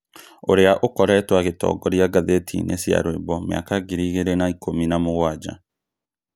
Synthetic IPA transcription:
oɾeaʔokɔɾɛtwaɣetɔ̰ːɡɔɾjaɡaðetʰḭnḛsja̰ɾwebɔmja̰kaɡiɾiːɣeɾenaikʰominamoɣwad͡ʒa̰

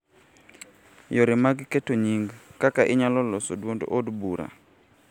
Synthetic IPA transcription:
joɾimaɡketoɲiŋɡkakaʔɪɲalɔlosodwond̰ʔodbuɾa̰

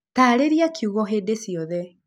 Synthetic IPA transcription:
taːɾeɾiakʰiuɣɔɦeːdesiɔðɛ

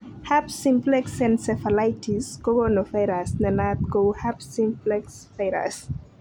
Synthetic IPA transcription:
hapsĩmplɛksɛ̃nsɛfalajtʰiskoɡonofajɾasnɛnat̪̚kowhapsimplɛksfeɾa̰s

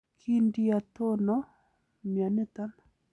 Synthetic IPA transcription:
kʰiɳɖ͡ʐijat̪ʰono | manət̪an

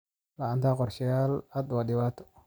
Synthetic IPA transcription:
laant̪aqɔɾʃɪjalad̪wadɪwat̪ɔ̥

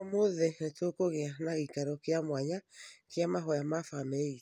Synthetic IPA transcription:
moðɛnetokoɣeanaɣikaɾɔkeamwaɲakeamaɦɔjamafamɛi

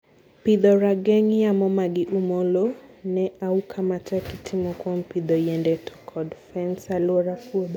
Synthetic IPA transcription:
pid̪ɔɾaɡɛŋjamɔmaɡɪʔumolonɛʔaukʰamatɛkitʰimɔkwɔmpid̪ɔjɛndɛtʰɔ̥kʰɔdfɛnsalwɔɾafuod

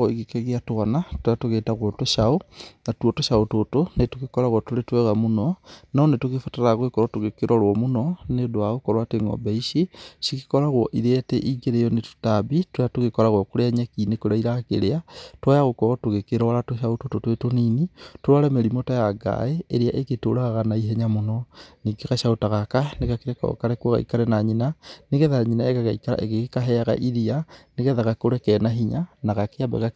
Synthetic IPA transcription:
oiɣikeɣiatuanatwajatuɣetaɣwotuʃaoŋatwotuʃaototonetuɣikolaɣwotuletweɣamunonaonetuɣifutaɾaɣwekoɾotuɣekiɾʔolwomunonedwaɣukoɾwateŋɡo̰beiʃiʃiki̥koɾaɣwoʔiɾeteʔiɡeɾejonetu̥tabitwejatuɣikolaɣwokuleɲakinekulaiɾakḛleatwajaɣokɔɣɔtoɣekeɾɔɾatoʃaotototwetoniːnitoɾaɾɛmeɾimotajaɡa̰eeɾeaʔeɣetoɾaɣaɣanaiɦɛɲamonɔniɡeɣaʃaotaɣakaneɣakeɾɛkɔ̰kaɾɛkwɔɣa̰ikaɾɛnaɲinaneɣɛðaaɲinaeɣaɣaikaɾa̰ʔeɣekekaɦɛaɣa̰ʔiɾianeɣɛðaɣakoɾɛkɛnaɦiɲanaɣakeabɛ̰ɣa

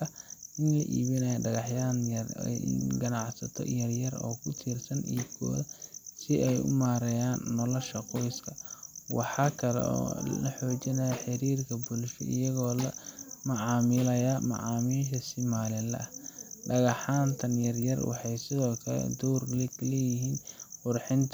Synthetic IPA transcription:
ɐʔɪnlɐ̰ʔḭːβɪnɛjɖɐɣɑħjaːn̰ | nɡɐnɑʕsɐt̪ʰɔ̰jɐrjɐrɔ̰ːkʰʊt̪ʰiːrsɐnḭːbkʰɔ̰ːðɐsɪʔɛjʊ̰maːɾɐjaːnːɔlɔʃɐqɔjskʰɐwɑħɑːkʰɐlɛ̰ɔ̰ːlɐħɔːt͡ʃɪnɐjɐħɪɾiːrkʰɐbʊlʃɔ̰ʔɪjɐɣɔːlɐmɐʕɑːmɪlɐjɐmɑ̰ʕɑːmiːlʃɐsɪmaːlɪnlɐ̰ʔɐhɖɐɣɑħaːnt̪ʰɐnjɐrjɐrwɑ̰ħɑjsɪðɔːkʰɐlɛ̰d̪uwrliklɛːjɪɦiːnqʊrħɪnt̪ʰ

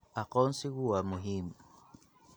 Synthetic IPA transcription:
akɔnsiɣuwamuɦim

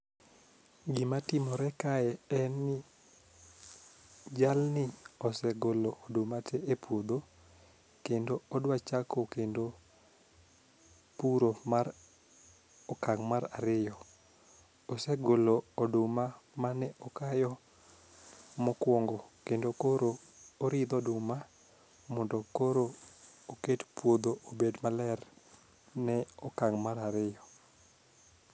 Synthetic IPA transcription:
ɡɪmatɪmɔɾɛkaɛɛnːɪ | d͡ʒalnɪɔsɛɡoloʔodomatʰɛepwod̪o | kendoɔdwat͡ʃakokendo | puɾomaɾ | ɔkaŋmaɾaɾɪjɔ | ɔsɛɡoloɔdʊmamanɛʔɔkajɔ | mɔkwɔŋɡɔkendokoɾoː | ɾɪd̪ɔdʊma | mɔndɔkoɾooketpwod̪oʔobedmalɛr | nɛɔkaŋmaɾaɾɪjɔ

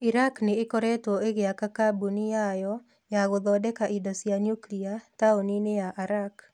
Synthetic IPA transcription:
iɾaknɪɪkɔɾɛtɔeɡeakakabunɪjajɔ | jaɣʊd̪ɔdɛkaʔidɔsianjukliataoninɪjaʔaɾak

